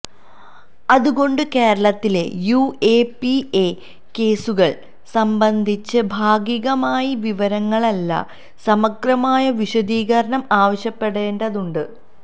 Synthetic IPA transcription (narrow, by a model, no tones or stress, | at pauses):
ɐðuɣo̞ɳɖɨke̞ːɾɐɭɐt̪ːile̞̰juepie | ke̞ːsuɣɐɭ | sɐmbɐnd̪ʱit͡ɕːɨbʱaːɡiɣɐmaːjiʋiʋɐɾɐŋːɐɭɐlːɐ̰ | sɐmɐɡrɐmaːjɐʋiɕɐd̪iːɣɐɾɐɳɐmaːʋɐɕjɐpːe̞ɽe̞ːnɖɐðuɳɖɨ